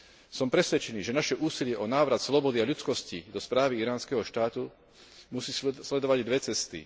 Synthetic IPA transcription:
sɔmpɾɛsʋɛt͡ʃɛniːʒɛnaʃɛʔuːsilɪɛʔɔnaːʋɾat̪slɔbɔd̪iaʎut͡skɔscid̪ɔspɾaːʋiiɾaːnskɛɦɔʃt̪aːt̪u | musiːslɛd̪ɔʋaɟd̪ʋɛt͡sɛst̪ḭ

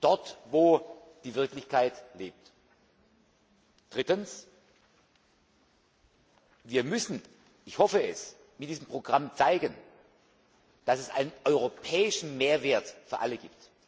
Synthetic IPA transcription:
d̥ɔɐtvoː | d̥iːvɪɐklɪçkʰaɪtleːp̚t | d̥ʁɪtəns | viːɐmʏsn̩ | ɪçhɔfəɛs | mɪtd̥iːzəmpʁ̥oɡʁamt͡saɪɡən | d̥asɛsʔa̰ɪnənʔɔʏʁopʰɛːɪʃn̩meːɐveːɐtfyːɐʔaləɡḭːp̚t

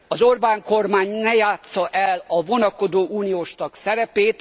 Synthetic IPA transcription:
ɒzo̞rbaːŋko̞rmaːɲnɛjaːt̪sɒʔɛlɒvo̞nɒko̞d̪oːʔuːnijoːʃt̪ɒksɛɾɛpeːt̪

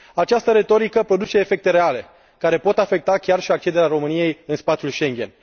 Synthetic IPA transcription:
at͡ʃast̪əɾe̞t̪o̞ɾikəpɾo̞d̪ut͡ʃe̞ːfe̞k̚t̪e̞ɾe̞ale̞ | kaɾe̞po̞t̪afe̞k̚t̪akʲarʃiak̚t͡ʃe̞d̪eɾeaɾo̞mɨnije̞jɨnspat̪sʲulʃe̞ŋɡʲe̞̰n

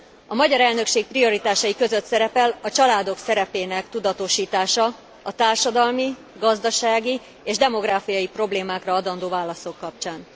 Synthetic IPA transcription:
ɒmɒɟɒɾɛlnø̞kʃeːk̚prio̞ɾit̪aːʃɒjikø̞zøt̪sɛɾɛpɛlɒt͡ʃɒlaːd̪o̞ksɛɾɛpeːnɛkt̪ud̪ɒt̪o̞ʃiːt̪aːʃɒ | ɒt̪aːrʃɒd̪ɒlmi | ɡɒzd̪ɒʃaːɡi | eːʒd̪ɛmo̞ɡraːfijɒjipro̞bleːmaːkrɒɒd̪ɒnd̪oːvaːlɒso̞kːɒp̚t͡ʃaːn

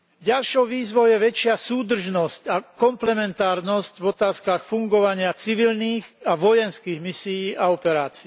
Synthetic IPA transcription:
ɟalʃɔʊʋiːzʋɔʊjɛʋɛt͡ʃɪasuːd̪r̩ʒnɔscakɔmplɛmɛnt̪aːɾnɔscvɔt̪aːskaxfuŋɡɔʋaɲɪat͡siʋilniːxaʋɔjɛnskiːɣmisijiːʔaɔpɛɾaːt͡si

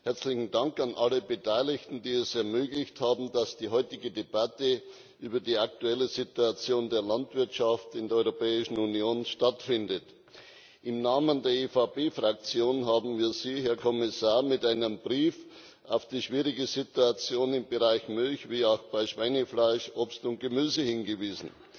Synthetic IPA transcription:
hɛɐt͡slɪçn̩daŋkanʔaləbətʰaɪlɪçtn̩diːɛsɛɐmøːɡlɪçthaːbm̩d̥asd̥iːɦɔʏtɪɡədebatə | ʔyːbɐdiːak̚tuɛləzituat͡sjoːndeːɐlantv̥ɪɐtʃaftɪndeɛɐɔʏʁopɛːɪʃn̩unjoːnʃtatfɪndət | ʔɪmnaːməndeːɐefapeːfʁak̚t͡sjoːnɦaːbm̩viːɐziːɦɛːɐkʰɔmɪsaːɐmɪtaɪnəmbʁiːf | ʔaʊfd̥iːʃv̥iːʁɪɡəzituat͡sjoːnɪmbəʁaɪçmʏlçviːaʊxb̥aɪʃv̥aɪnəflaɪʃʔopstʊnt̚ɡ̥əmyːzəhɪnɡəviːzn̩

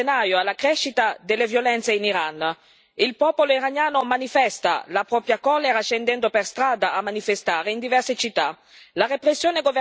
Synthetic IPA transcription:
enaːjoalːakɾɛʃːit̪ad̪elːevjolɛnt̪seiniɾan | ilpɔːpoloiɾaɲjaːnomanifɛst̪a̰lapɾɔpɾjakɔːleɾaʃend̪ɛnd̪operst̪ɾaːd̪aʔamːanifest̪aːɾeind̪ivɛrset͡ʃit̪ːa | larepɾesːjoːneɡove

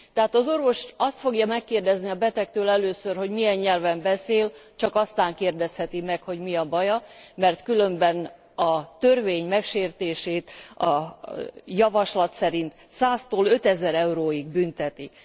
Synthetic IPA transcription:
t̪ɛɦaːt̪ɒzo̞rvo̞ʃɒst̪fo̞ɡjɒmɛkːeːrd̪ɛzniɒbɛt̪ɛk̚t̪øːlɛløːsørho̞ɟmiɛɲɲɛlvɛmbɛseːlt͡ʃɒkɒst̪aːŋkeːrd̪ɛshɛt̪imɛkho̞ɟmiɒbɒjɒmɛrt̪kylømbɛn | ɒt̪ørveːɲmɛkʃeːrt̪eːʃeːt̪ɒ | jɒvɒʃlɒt̪sɛɾint̪ | saːst̪oːlø̞t̪ɛzɛɾɛuɾoːiɡbynt̪ɛt̪i

